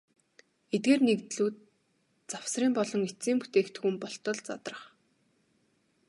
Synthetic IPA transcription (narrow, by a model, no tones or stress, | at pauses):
et̪̚ɡeːrnekt̪ɮuːt̪̚ | t͡saw̥sriːmpɔɮɞ̆ŋet͡siːmpu̥t̪eːkt̪̆xŭmpɔɬt̪ɞ̆ɮt͡sa̰t̪rə̆χ